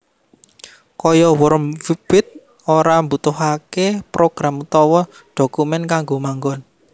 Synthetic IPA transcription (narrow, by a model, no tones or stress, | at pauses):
kɔjɔwəɾmfib̥ɪt̪̚ | oɾambut̪ʊɦakepɾoɡ̥ɾamut̪ɔwɔ | ɖ̥o̤kumɛnkaŋɡomaŋɡɔn